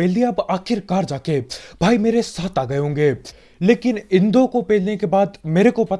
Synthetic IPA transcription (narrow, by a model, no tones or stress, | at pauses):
eːlieɐbaːkʰɪɾkaːɾd͡ʒaːkebʱaːimeːɾesaːt̪ʰaːɡɐeɦõːŋɡeː | leːkɪnɪ̃nd̪õkopeːlnekebaːd̪meːɾekopɐt̪